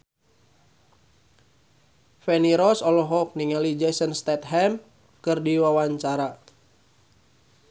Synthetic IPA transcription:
fɛniɾɔsɔlɔɦɔk̚niŋalid͡ʒɛsənst̪ɛt̪ɦɛm | kɨrdiwawaɲt͡ʃaɾa

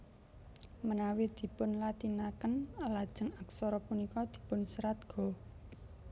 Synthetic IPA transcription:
mənawid̪̥i̤pʊnlat̪inakənlad̥ʒ̥ə̤ŋaksɔɾɔpunikɔd̪̥i̤pʊnsəɾat̪̚ɡ̥ɔ̤

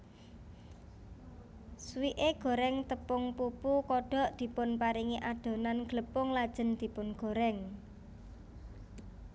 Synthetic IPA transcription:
swiʔeɡ̥o̤ɾɛŋt̪əpʊŋpupukɔɖ̥ɔ̤ʔd̪̥i̤pʊnpaɾiŋiʔaɖ̪̥o̤nanɡ̥ləpʊŋlad̥ʒ̥ə̤nd̪̥i̤pʊnɡ̥o̤ɾɛŋ

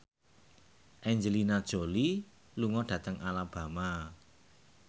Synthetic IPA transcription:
ʔɛɲd͡ʒəlinad̥ʒ̥o̤li | luŋɔɖ̥ä̤t̪əŋalab̥a̤ma

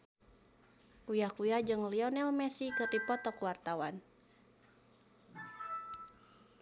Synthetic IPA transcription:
ʔujakujad͡ʒɨŋliɔnɛlmɛsikɨrdipɔt̪ɔkuwart̪awan

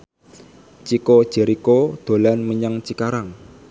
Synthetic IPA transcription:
t͡ʃiko̥ʒ̥ɛɾikod̪̥o̤lanməɲaŋt͡ʃikaɾaŋ

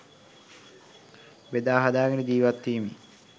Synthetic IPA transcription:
ʋed̪aːɦad̪aːɡənəd͡ʒ̪iːʋat̪ːiːmi

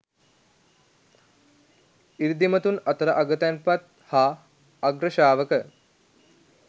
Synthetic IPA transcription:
iɾd̪imɐt̪unɐt̪əɾəʔaɡət̪ɛnpat̪̚ | haː | ɡɾəʃaːʋəkə

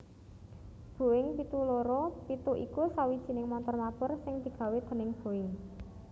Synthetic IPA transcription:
b̥o̤ɪŋpit̪uloɾɔpit̪uʔḭkusawid̥ʒ̥i̤nɪŋmɔnt̪ɔrmapʊrsɪŋd̪̥i̤ɡ̥ä̤wed̪̥ə̤nɪŋb̥o̤ɪŋ

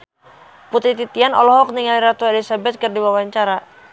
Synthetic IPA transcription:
put̪ɾit̪it̪ianɔ̰lɔɦɔk̚niŋaliɾat̪uelisabɛt̪̚kɨrdiwawaɲt͡ʃaɾa

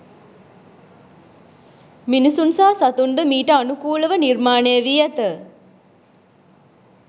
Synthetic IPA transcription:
minisunsaːsat̪und̪əmiːʈəanukuːləʋənirmaːnejəʋiːæt̪ə

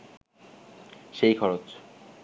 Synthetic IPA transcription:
ʃejkʰɔɾot͡ɕ

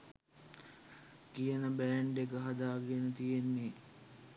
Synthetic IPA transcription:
kijənəbæɳɖekəɦɐd̪aːɡenət̪ijenːe

